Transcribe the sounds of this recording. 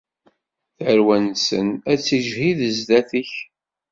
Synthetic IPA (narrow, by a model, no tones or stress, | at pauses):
θəɾwænsənæt͡sːiʒhiðəzd̪æθiç